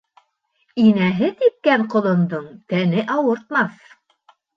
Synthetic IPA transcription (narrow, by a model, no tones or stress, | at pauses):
inæɦɘt̪ip̚kæɴqŏlˠŏnd̪ɤɴt̪ænɘʔɑwɤ̆ɾt̪̚mɑθ